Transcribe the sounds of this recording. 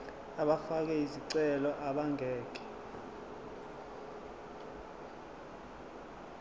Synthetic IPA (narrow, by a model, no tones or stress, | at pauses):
aɓafak̬ɛiziǀɛlɔʔaɓaŋɛːk̬ɛ̥